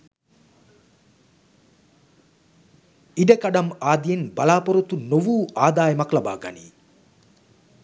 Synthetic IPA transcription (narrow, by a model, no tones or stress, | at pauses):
iɖɐkɐɖɐmaːd̪ijenbɐlaːpoɾut̪unoʋuːʔaːd̪aːjɐmɐklɐba̰ːɡɐ̰nḭ